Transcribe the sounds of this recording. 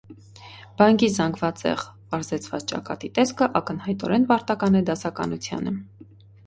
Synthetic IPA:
b̥ɑŋkizɑŋɡvɑt͡sɛ̰ʁpɑɾzɛt͡sʰvɑ̰t͡st͡ʃɑ̰kɑ̰t̪it̪ɛskʰəʔɑkən̪hɑjt̪ɔ̰ɾɛnvɑɾt̪ɑkɑnɛd̪ɑsɑkɑ̰nut͡sʰjɑ̰nə

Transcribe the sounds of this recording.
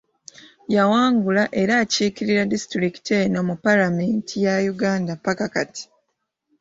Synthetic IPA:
jawaːŋɡulaʔe̞ɾaːciːkiɾiɾadisi̥tɾiki̥teno̞mupalame̞ːntʰijajuɡaːndapːakakati̥

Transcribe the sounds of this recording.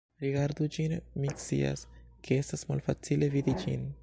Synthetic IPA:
ɾiɡaɾd̪ud͡ʒinmikt͡sḭa̰skʰee̞stasma̰lfat͡sile̞vid̪id͡ʒḭn

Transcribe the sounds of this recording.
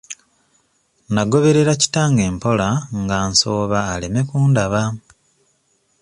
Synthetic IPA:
naɡo̞βe̞ɾe̞ɾaci̥taːŋɡe̞ːmpo̞laŋɡaːnso̞ːβaːle̞me̞kuːndaβa

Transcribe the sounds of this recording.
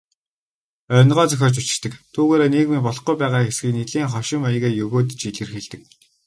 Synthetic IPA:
œ̆nʁɔːt͡sœxʲɔːt͡ɕut͡ɕɪ̆kt̪ɘ̆kt̪ʰuːɣeːɾeːneːɣmiːp̬ɔɮɞ̆χujpæːʁaːxesɡiːknit̪ɮiːŋχɔʃɪ̆mɔjəɣeːjɵɣoːt̪̬̆t͡ɕiɮɘ̆rxĕɮt̪ɘ̆k̚

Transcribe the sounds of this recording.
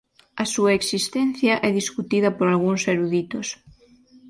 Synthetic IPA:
ɐsuɐeksist̪ɛnθjɐʔɛðiskut̪iðɐpoɾalɣuŋseɾuðit̪os

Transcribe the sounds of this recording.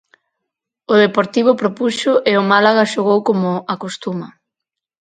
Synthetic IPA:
ʊðepoɾt̪iβ̞ʊpɾopuʃʊʔeʊmalaɣaʃoɣowkomʊakost̪umɐ

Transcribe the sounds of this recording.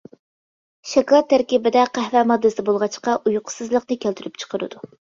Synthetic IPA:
ʃɛkɑlˠɑt̪ʰːæɾkʲibɪd̪ɛqʰæhvɛmɑd̪ːɨsɪbolˠʁɑt͡ʃqɑʔujqʰʊ̥sɨzlˠəqnɨkʲʰælt̪ʰyɾyp̚t͡ʃʰə̥qʰəɾɨ̰d̪̥u

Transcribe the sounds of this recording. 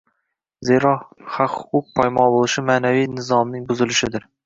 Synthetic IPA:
zeɾɒχaqhʊ̥qʰʊq̚pʰajmɒnbolˠɪʃɪmaːnavijnɪzɒmnɪŋbʊzɪlɪʃɪd̪ɪɾ

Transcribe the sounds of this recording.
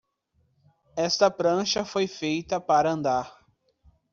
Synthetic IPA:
ɛst̪ɐpɾɐ̃ʃɐfojfejt̪ɐpaɾɐɐ̃nd̪aɾ

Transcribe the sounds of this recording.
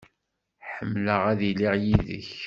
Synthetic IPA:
ħəmːləʁæðiliʁjiðə̰ç

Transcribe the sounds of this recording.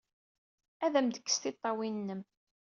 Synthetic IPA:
æðæmd̪əkːə̥st̪ɪt̪ˤːɑwinːəm

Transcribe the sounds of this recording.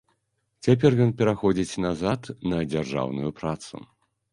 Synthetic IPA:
t͡sʲapʲɛrjɔnpʲɛɾaxɔd͡zʲit͡sʲnazat̪nɐd͡zʲarʐa̰wnṵjupɾat̪sṵ

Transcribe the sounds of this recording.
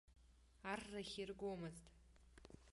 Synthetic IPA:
arːaχʲirɡʷomɨztʼ

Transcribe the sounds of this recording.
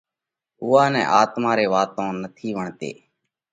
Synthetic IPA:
ʊːaːnɛ̰̃ːʔaːt̪maːɾeːʋaːt̪õːnət̪ʰiːʋəɳt̪ḛː

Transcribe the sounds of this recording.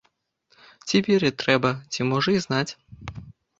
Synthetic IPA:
t͡sʲipʲiɾʲit̪ɾɛbɐt͡sʲimɔʐɨznat͡sʲ

